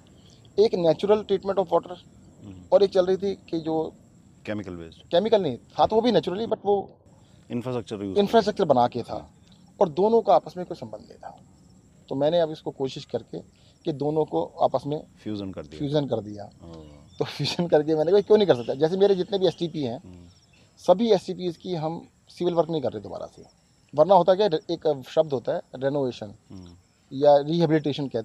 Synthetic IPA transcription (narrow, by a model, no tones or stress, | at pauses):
eːknɛːt͡ʃʊɾəlʈɾiːʈmɛ̃ɳʈɔːfʋɔːʈəɾ | ɔːɾeːk̚t͡ʃɐlɾəɦit̪ʰiked͡ʒoː | kɛːmɪkəlʋḛkɛːmɪkəlnɐĩt̪ʰat̪oʋobʱinɛːt͡ʃʊɾəlibɐʈʋo | ɪ̃nfɾasək̚t͡ʃəɾuɪ̃nfɾaːsʈɾək̚t͡ʃəɾbɐnaːket̪ʰa̰ː | ɔːɾd̪oːnõkaaːpəsmẽikosɐ̃mbə̃nd̪nḛ̃ĩt̪ʰa̰ː | t̪omɛ̃ːneɐbʊskokoːʃɪʃkɐɾke | ked̪oːnõkoa̰ːpəsmẽfuːfjuːd͡ʒənkɐɾd̪ija̰ːt̪ofʰjuːd͡ʒənkɐɾk̬emɛ̃ːnekːikjõːnɐɦĩkɐɾs̬ɐk̚t̪ad͡ʒɛːs̬emeːɾed͡ʒɪt̪nebʱiɛsʈiːpiɦɛ̃ː | sɐbʱiɛsʈiːp̬iːzkiɦɐm | sɪʋɪlʋəɾknəɦĩkɐɾːeed̪oba̰ːɾa̰sḛ | ʋɐɾnaɦoːt̪̬akjaeːkʃɐb̚d̪ɦoːt̪aɦɛːɾeːnoːʋeːʃən | jaɾiːɦɛbɪlɪʈ̬eːʃənkɛːt̪